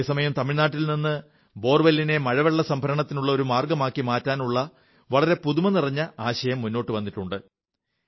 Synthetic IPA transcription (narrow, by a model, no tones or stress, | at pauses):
esɐmɐjɐmt̪ɐmiɻnaːʈːilninːɨ | bo̞ːrʋɐlːine̞mɐɻɐʋeɭːɐsɐmbʱɐɾɐɳɐt̪ːinuɭːɐo̞ɾumaːrɡɐmaːkːimaːtːaːnuɭːɐ | ʋɐɭɐɾe̞puðumɐnirɐɲːɐaːɕɐjɐmːunːo̞ːʈːɨʋɐnːiʈːuɳɖɨ